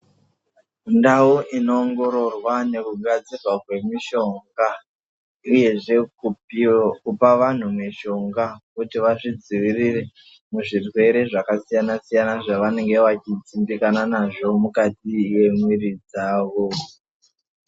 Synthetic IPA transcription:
ndauʔino̞ːŋɡo̞ɾo̞rwane̞kuɡʱad͡zirwakwe̞miʃo̞ŋɡa | uje̞ʐe̞kukupaʋan̤umweʃo̞ŋɡakutiʋaʐid͡ziʋirire̞ | muʐirwe̞ɾe̞ʐakasijanasijanaʐaʋane̞ŋɡe̞ʋat͡ʃid͡zimbikananaʐo̞mukatiwe̞mwiɾid͡zaːʋo̞

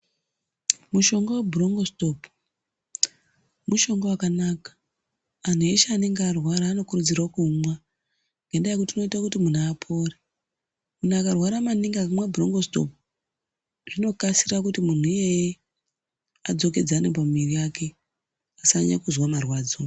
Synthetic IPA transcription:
muʃo̞ŋɡowebʱuroŋɡosto̞p | muʃo̞ŋɡowakanakḁː | n̤ueʃeane̞ŋɡearwaɾaːno̞kurud͡zirakumwa | ŋɡendajekutiːno̞itakutimun̤aːpʰo̞ːre | mun̤akarwaɾamaniŋɡakamwabʱuro̞ŋɡo̞sto̞̰p̚ | ʐ̥ino̞kasirak̬utimun̤uijeje | ad͡zo̞k̬e̞d͡zaːnep̬amiriake̞ | asaɲa̰kuzwamarwaːd͡zo

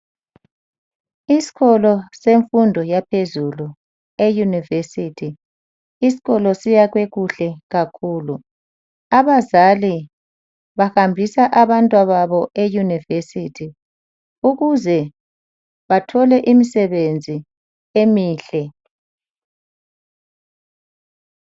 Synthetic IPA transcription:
isi̥ɣɔlɔseɱfundʱɔjapʰezulu | ejunivesitʰi | isi̥ɣɔlɔsijaɣweɣuɬɛɣakʰuːlu | aβazali | βaxambʱisaʔaβantʼwaβaβɔʔejunivesitʰi | uɣuzɛ | βatʰɔlɛʔimisɛβend͡zʱi | emiːɬɛ

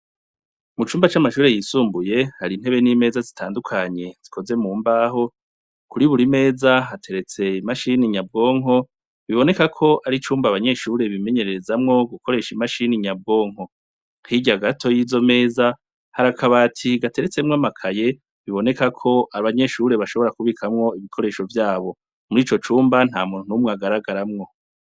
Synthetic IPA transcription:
mut͡ʃuːmbat͡ʃamaʃuːɾe̞jisuːmbuje̞haɾin̥e̞βe̞niːme̞ːzazitʰaːndukʰaɲe̞z̥ikʰo̞ze̞muːmbaːɦo̞ | kuɾiβuɾime̞ːzaɦatʰe̞ɾe̞t͡se̞imaʃiniɲab̚ɡo̞ŋɦo̞ | βiβo̞ne̞kakʰo̞ʔaɾit͡ʃuːmbaβaɲe̞ːʃuːɾe̞βimeɲe̞ɾeɾezamŋo̞ɡukʰo̞ɾe̞ʃimaʃiniɲab̚ɡo̞ːŋho̞ | hiɟaɡatʰo̞jizo̞me̞ːza | haɾakʰaβatʰiɡatʰe̞ɾe̞t͡se̞mŋamakʰaje̞ | βiβo̞ne̞kakʰo̞ʔaβaɲe̞ʃuɾe̞βaʃoβo̞ɾakuβikʰamŋo̞iβikʰo̞ɾe̞ːʃo̞vjaːβo̞ | muɾiːt͡ʃo̞t͡ʃuːmban̥ha̰ːmuːnunumŋaɡaɾaɡaɾamŋo̞

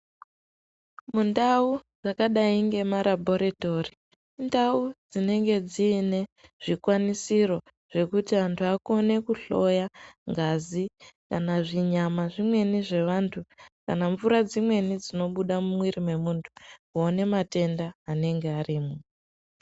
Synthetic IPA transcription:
mundaud͡zakaɗaiŋɡe̞maɾabʱo̞ɾeto̞ri | ndaud͡zine̞ŋɡe̞d͡ziːne̞ʐ̥ikwanisiro̞ | ʐ̥e̞kutiʋantʰuako̞ne̞kuɬo̞jaŋɡazikanaʐiɲamaʐimwe̞niʐe̞ʋantʰukanaɱvuɾad͡zimwe̞nid͡zino̞ɓuɗamumwiɾimwe̞muːntʰu̥kuone̞mate̞ndaːne̞ŋɡeariːmo

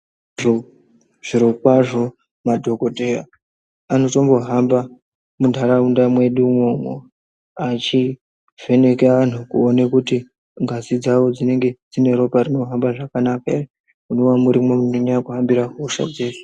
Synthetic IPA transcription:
ʐo | ʐ̥iɾokwaʐo̞ | madʱo̞ko̞tera | ano̞to̞mbo̞ɦamba | mundʱaɾaundamwe̞ɗumwo̞mo̰ | at͡ʃi | ve̞ne̞keʋan̤ukṵonekuti | ŋɡasid͡zaʋo̞d͡zine̞ŋɡe̞d͡zine̞ɾo̞parino̞ɦambaʐakanakae | unowamuɾimomunoɲaakuɦambiɾaɦoʃa̰d͡zeːsu̥

